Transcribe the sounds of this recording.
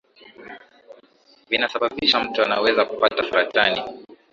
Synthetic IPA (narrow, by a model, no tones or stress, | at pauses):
vinasaɓaɓiʃam̩tuana̰wɛzakupatafuɾatani